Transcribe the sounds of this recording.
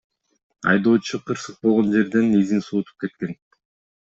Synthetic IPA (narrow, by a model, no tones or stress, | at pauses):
ɑ̰jd̪o̞ːt͡ʃʰuqʰɯɾsɯq̚bo̞lˠʁo̞nd͡ʒe̞ɾd̪e̞nezinsuːt̪ʰu̥p̚ke̞t̪̚ke̞n